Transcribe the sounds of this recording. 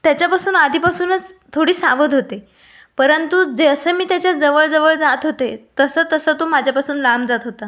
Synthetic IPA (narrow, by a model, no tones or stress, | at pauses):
t̪jat͡ɕjapasuːnad̪ʱiːpasuːnət͡st̪ʰoɽiːsaʋəd̪ɦot̪e | pəɾənt̪ud͡zeəsəːmiːt̪jat͡ɕjad͡zəʋəɭd͡zəʋəɭd͡zat̪ɦot̪et̪əsəːt̪əsəːt̪omad͡ʑʱjapasuːnlamd͡zat̪ɦot̪a